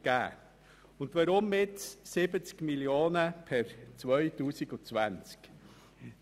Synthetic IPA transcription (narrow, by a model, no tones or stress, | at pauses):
ɡ̥æ̰ː | ʊnd̪ʋaɾʊmɪt͡ssɪbət͡skmilioːnəpʰɛɾt͡svœʏtuːsiɡʊt͡svænt͡sk